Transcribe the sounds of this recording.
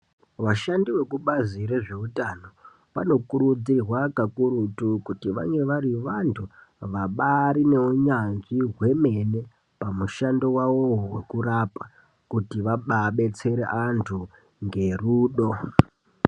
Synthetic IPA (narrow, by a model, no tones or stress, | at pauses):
ʋaʃandiwe̞kuɓaziɾeʐe̞utano̞ | ʋa̰no̞kuɾud͡zirwakakuɾutukutiʋa̰ŋɡe̞ʋaɾiʋantʰuʋaɓaɾine̞uɲanziɦwe̞me̞ne | pamuʃandowawowe̞kurapa | kutiʋaɓaɓe̞t͡se̞ɾeʔantʰu | ŋɡe̞ruːɗo̞